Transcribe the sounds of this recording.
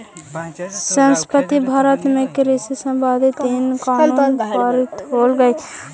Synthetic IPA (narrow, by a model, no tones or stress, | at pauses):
sənspət̪ibʱaːɾət̪mẽkɪɾisisə̃mbaːd̪ʱit̪iːnkaːnuːpaːɾit̪oːlɡəi